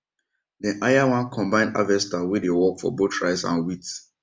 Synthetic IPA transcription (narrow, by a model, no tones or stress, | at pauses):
dɛ̃ʔajawãnkʰɔ̃mbãɪ̃nda̰vɛstawedewɔkfɔ̰botʰɹaɪsã̰nwits